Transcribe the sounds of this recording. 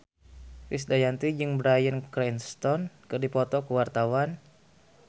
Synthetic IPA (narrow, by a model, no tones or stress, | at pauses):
risdajant̪id͡ʒɨŋbɾajənkɾɛnst̪ɔnkɨrdipɔt̪ɔkuwart̪awan